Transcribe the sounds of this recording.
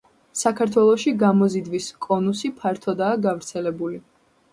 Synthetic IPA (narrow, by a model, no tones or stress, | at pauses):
sakʰaɾt̪ʰwɛlˠɔʃiɡamɔzid̪viskʼɔnusipʰaɾt̪ʰɔd̪aːɡavɾt̪sʰɛlɛbuli